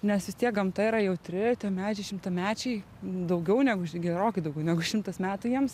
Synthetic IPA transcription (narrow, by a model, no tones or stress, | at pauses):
nʲɛsʋʲɪst̪ʲiɛk̚ɡɐmt̪ɐiɾɐjɛʊt̪ʲɾʲɪt̪ʲiɛmʲæːt͡ʃʲɪʃʲɪmt̪ɐmʲæːt͡ʃʲɛɪ | d̪ɐʊɡʲɛʊnʲæɡʊʃɡʲɛɾoːkʲɐɪd̪ɐʊɡʲɛʊnʲæɡʊʃʲɪmt̪ɐsmʲæːt̪ʊjiɛms